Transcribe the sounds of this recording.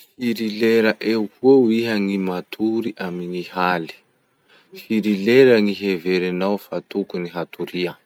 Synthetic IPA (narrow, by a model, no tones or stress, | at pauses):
ffiɾileɾəʔewkuəwiɦəŋimat̪ʰuɾiʔamiŋihali̥ | fiɾileɾəŋiɦeveɾanawfat̪ukuniɦat̪uɾiə